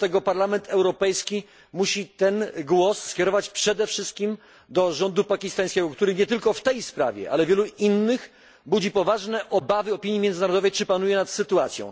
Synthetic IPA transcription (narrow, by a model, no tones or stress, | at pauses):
t̪ɛɡɔpaɾlamɛnt̪ʰɛwɾɔpɛjskʲi | muɕit̪ɛnɡwɔsːkʲjɛɾɔvat͡ɕpʂɛd̪ɛfʂɘst̪̚kʲim | d̪ɔʐɔnd̪upakʲist̪aj̃skʲɛɡɔkt̪uɾɘɲɛt̪ɘlkɔft̪ɛjspɾa̰vʲjɛ̰ʔa̰lɛvʲjɛluinːɘx | bud͡ʑipɔvaʐnɛʔɔbavɘɔpʲiɲjimjɛnd̪naɾɔd̪ɔvɛjt͡ʂɘpanujɛnat̪sɘt̪uat̪sjɔ̰̃w̃